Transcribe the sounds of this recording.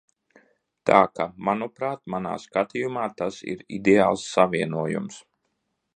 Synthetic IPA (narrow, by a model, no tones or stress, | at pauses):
t̪a̰ːkamanupɾaːt̪̚mana̰ːskat̪ʲijumaːt̪asḭɾḭd̪eaːlˠsːavʲiɛnuɔjṵms